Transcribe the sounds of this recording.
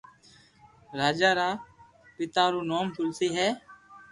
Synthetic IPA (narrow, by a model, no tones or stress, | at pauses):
ɾaːd͡ʒaːɾaː | pɪt̪aːɾoːnoːmpʰʊlsiːɦɛː